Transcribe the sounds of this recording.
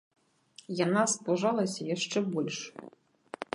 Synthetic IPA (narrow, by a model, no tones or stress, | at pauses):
janaspˠuʐalˠɐsʲɐjaʂt͡ʂɛbɔlʲʂ